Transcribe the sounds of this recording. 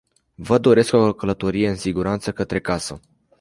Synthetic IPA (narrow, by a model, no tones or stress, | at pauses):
vəd̪o̞ɾe̞skokələt̪o̞ɾije̞ɨnsiɡuɾant̪səkət̪ɾe̞kasə̰